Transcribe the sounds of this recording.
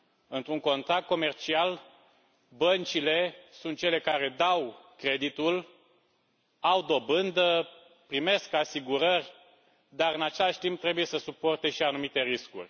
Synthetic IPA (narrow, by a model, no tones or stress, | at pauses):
ɨnt̪ɾuŋko̞nt̪ɾak̚t̪̚ko̞me̞rt͡ʃial | bənt͡ʃile̞sunt̪t͡ʃe̞le̞kaɾe̞d̪awkɾe̞d̪it̪ul | awd̪o̞bɨnd̪ə | pɾime̞skasiɡuɾərʲ | d̪aɾɨnat͡ʃe̞laʃʲt̪imp̚t̪ːɾe̞buje̞səsupo̞rt̪e̞ʃianumit̪e̞ɾiskṵrʲ